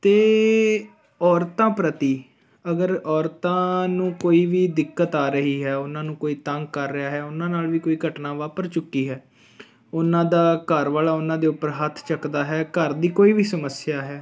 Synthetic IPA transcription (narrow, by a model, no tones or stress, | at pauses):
t̪eː | ɔːɾt̪ãːpɾət̪iː | əɡəɾɔːɾt̪ãːnũːkoːiːʋiːd̪ɪkːət̪aːɾəɦiːɦɛːʊnãːnũːkoːiːt̪əŋɡkəɾːɪjaːɦɛːʊnãːnaːlʋiːkoːiːɡʱəʈnãːʋaːpəɾt͡ʃʊkːiːɦɛː | ʊnãːd̪aːkəɾʋaːlaːʊnãːd̪eːʊpəɾɦət̪ʰt͡ʃəkd̪aːɦɛːkəɾd̪iːkoːiːʋiːsəməsɪjaːɦɛː